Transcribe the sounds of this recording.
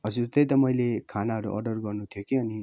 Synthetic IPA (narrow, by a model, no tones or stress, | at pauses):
ʌd͡zurt̪ʌjt̪ʌmʌjlekʰanaɦʌɾṵʔʌ̰rɖʌrɡʌrnut̪ʰjokeʌni